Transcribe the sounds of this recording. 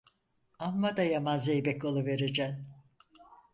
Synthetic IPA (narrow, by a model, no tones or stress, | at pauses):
amːad̪ajamazejbɛkolˠuve̞ɾed͡ʒæn